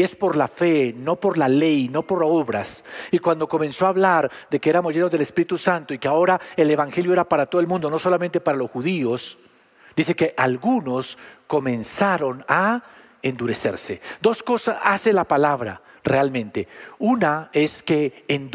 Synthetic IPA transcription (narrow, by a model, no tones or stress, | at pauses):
espo̞ɾlafe̞no̞po̞ɾlale̞jno̞po̞ɾo̞βɾasikwand̪o̞ko̞mẽ̞nso̞aβlaɾd̪e̞keeɾamo̞zʝenozðele̞spiɾit̪usant̪oikeao̞ɾaele̞βaŋxe̞ljoeɾapaɾat̪oðelmũnd̪o̞no̞solament̪epaɾalo̞sxuðios | d̪iseke̞ʔalɣuno̞sko̞mẽ̞nsaɾo̞na | end̪uɾe̞se̞̰ɾse̞d̪o̞sko̞sasase̞lapalaβɾa̰realmẽ̞nt̪e̞unae̞skeːn